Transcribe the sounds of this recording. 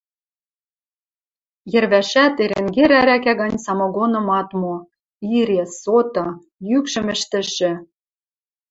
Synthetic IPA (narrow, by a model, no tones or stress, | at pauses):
jɘ̆rβæʃæt̪eɾeŋɡeɾæɾækæɣɑnʲsɑmɤ̆ɣonɤ̆mɑt̪mo | iɾʲesot̪ɤ̆ | jykʃɘ̆mɘ̆ʃt̪ɘ̆ʃɘ̆